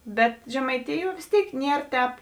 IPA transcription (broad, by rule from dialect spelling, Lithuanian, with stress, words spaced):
ˈbʲɛt ʒʲɛmɐɪˈtʲɪjuɔ ʋʲeːs ˈtʲeːɪk ˈnʲiɛr tʲɛːp